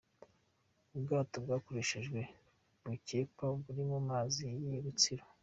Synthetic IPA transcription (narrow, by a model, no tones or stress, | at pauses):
ubɡaːtobɡaːko̞ɾeʃiʒɡwe̞ | bucepabuɾimumaːzijiɾut͡siɾo